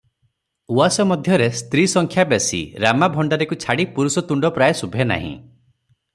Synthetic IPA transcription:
uasɔmɔd̪ʱjɔɾest̪ɾisɔŋkʰjabesḭɾamabʱɔɳɖaɾekut͡ʃʰaɽipuɾusɔt̪uɳɖɔpɾajesubʱena̰ɦḭ̃

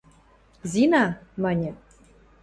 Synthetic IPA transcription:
zʲinɑmɑnʲĕ

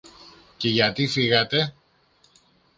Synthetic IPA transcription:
ce̞ʝɐt̪ifiɣɐt̪e̞

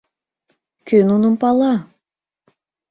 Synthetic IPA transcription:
kʰʲynununpɑlˠɑ

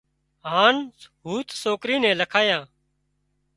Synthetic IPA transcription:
ɦaːnɦuːt̪soːkɾiːnɛ̃ːləkʰaːjãː

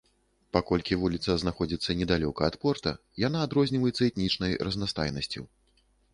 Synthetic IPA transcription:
pakɔlʲkʲivulʲit̪sɐznaxɔd͡zʲit̪sːɐnʲɛd̪alʲɔkɐːt̪pɔrt̪ɐ̰ | janaːd̪ɾɔzʲnʲivɐjɛt̪sːɐɛt̪nʲit͡ʂnɐjɾɐznast̪a̰jnɐsʲt͡sʲṵ

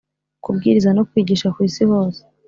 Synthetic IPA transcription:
kub̚ɡiːɾizano̞kwiːɟiːʃakwiːsiho̞ːse̥

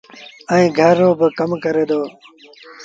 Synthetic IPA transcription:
ə̃ĩːɡʱəɾːoːbəkəmkəɾeːd̪oː

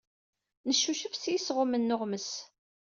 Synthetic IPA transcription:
nəʃːuʃəfsjisʁʊmənːʊʁməs

